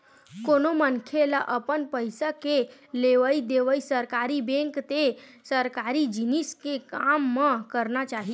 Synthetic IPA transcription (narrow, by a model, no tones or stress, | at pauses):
konomənkʰelaʔəpənpəjsakeleʋəid̪eʋəisəɾkaɾibẽŋkt̪esəɾkaɾid͡ʒiniskekamːəkəɾnat͡ʃaɦi